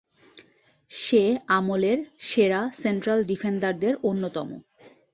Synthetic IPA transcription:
ʃeamoleɾʃeɾasenʈɾalɖifʰenɖaɾd̪eɾonːot̪ɔmo̰

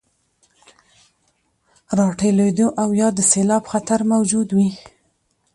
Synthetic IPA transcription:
ɾɑʈeled̪oʔawjɑd̪əselɑbxat̪aɾmawd͡ʒud̪wi

